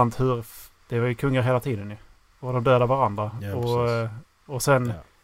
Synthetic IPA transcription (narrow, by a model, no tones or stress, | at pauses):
ant̪hɵɾ | d̪̥ɛvajɵkʰɵŋːaɾɦeːlat̪ʰiːd̪ənjɵ | ɔd̪ɔmd̪øːd̪əvaɾand̪ɾaɔ | ɔsɛnː